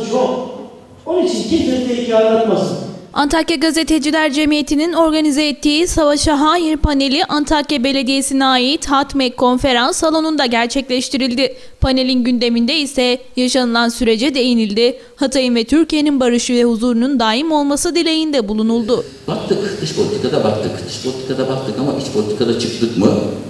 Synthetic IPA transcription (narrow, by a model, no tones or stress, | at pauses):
t͡ʃon | o̞nit͡ʃʰincit̪ʰɛt̪ʲeicalˠat̪masɯant̪ʰacjaɡaze̞t̪ʰe̞d͡ʒilʲæɾd͡ʒe̞mijet̪ʰinino̞ɾɡanizɛːt̪ːiːsavaʃaɦaːjiɾpʰane̞lʲiʔant̪ʰacjabe̞lʲe̞d̪ije̞sinɛaːjit̪hat̪mɛkʰo̞nfe̞ɾansːalˠo̞nund̪aɟæɾt͡ʃʰɛclʲɛʃt̪ʰiɾilʲd̪ɪ | pʰane̞lʲinɟynd̪e̞mind̪ɛisɛjaʃanɯlˠansyɾe̞d͡ʒɛd̪e̞jinilʲd̪ɪ | hat̪ʰajɯnvɛt̪ʰyɾcije̞ninbaɾɯʃɯvɛhuzuːɾunund̪aːimo̞lˠmasɯd̪elʲejind̪ɛbulˠunulˠd̪ʊ | bak̚t̪ʰɯkd̪ɯʃpʰolʲit̪ʰi̥kʰad̪abak̚t̪ʰɯkd̪ɯʃpʰolʲit̪ʰi̥kʰad̪abak̚t̪ʰɯkamaʔit͡ʃpʰo̞lʲit̪ʰi̥kʰad̪at͡ʃʰɯk̚t̪ɯkmɯ